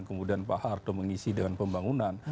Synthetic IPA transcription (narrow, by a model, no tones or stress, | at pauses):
nkəmudianpahart̪ɔməŋisidəŋanpəmbaŋunan